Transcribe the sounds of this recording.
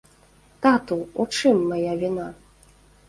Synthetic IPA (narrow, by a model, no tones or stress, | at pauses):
t̪at̪uut͡ʂɨmːajavʲina